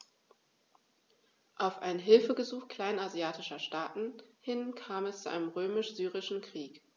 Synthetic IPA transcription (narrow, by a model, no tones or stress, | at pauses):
ʔaʊfʔaɪnɦɪlfəɡəzuːxkl̥aɪnazjaːtʰɪʃɐʃtaːtn̩hɪnkʰaːmɛst͡suʔa̰ɪnəmʁøːmɪʃz̥yːʁɪʃn̩kʁ̥iːk